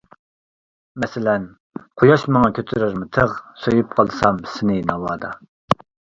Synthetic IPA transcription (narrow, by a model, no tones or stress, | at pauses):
mɛsɪlɛn | qʰojɑʃmɑŋɑkʲʰøt̪ʰɾyɾmɪt̪ʰəʁsojup̚qʰɑlˠsɑmsɪnɪnɑwɑːd̪ɑ